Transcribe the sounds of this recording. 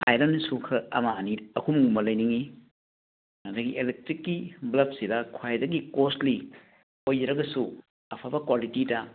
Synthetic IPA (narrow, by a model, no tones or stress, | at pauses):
ajɾɐnsukʰɐɐmaːniɐkʰumuŋumɐlɐjniŋi | ɐdɐɡiʔelek̚tɾikːiblɐp̚sidɐkʰwajdɐɡikostli | ojd͡ʒɾɐɡɐsu | ɐpʰabɐkwalitidɐ